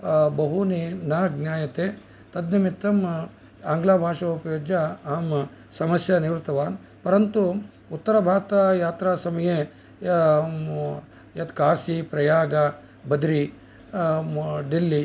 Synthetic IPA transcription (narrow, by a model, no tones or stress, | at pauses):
bɐɦuninaːɡnʲjaːjɐt̪eː | t̪ɐd̪nɐmit̪ːɐm | aːŋɡlaːbʱaːʂɐupɐjoːd͡ʒjɐaːm | sɐmɐsjɐniʋɾt̪ɐʋaːn | pɐɾɐnt̪u | ut̪ːɐɾɐbʱaːɾt̪ɐjaːt̪ɾaːsɐmɐje | jɐt̪kaːsipɾɐjaːɡɐ | bɐd̪ɾi | ɖilːi